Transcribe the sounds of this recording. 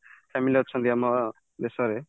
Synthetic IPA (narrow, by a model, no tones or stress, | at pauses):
pʰɛmiliɦɔt̪ːt͡ʃʰɔnd̪ijamɔ | d̪esɔɾe